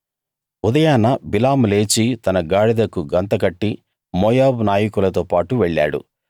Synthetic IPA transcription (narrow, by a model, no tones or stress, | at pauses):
ud̪ɐjaːnɐbilaːmle̞ːt͡ʃit̪ɐnɐɡaːɽid̪ɐkuɡɐnt̪ɐkɐʈːi | mɔːjaːbnaːjɐkulɐt̪oːpaːʈuʋeɭːa̰ːɽṵ